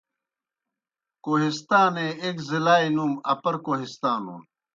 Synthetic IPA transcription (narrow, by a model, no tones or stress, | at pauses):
koːɦist̪aːneekzilaːinumɐpɐɾkoːɦist̪ãːnṵn